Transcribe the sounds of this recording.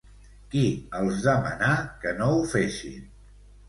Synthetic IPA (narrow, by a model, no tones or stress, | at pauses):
kiəlˠzðəmə̰nakənoufeʃḭn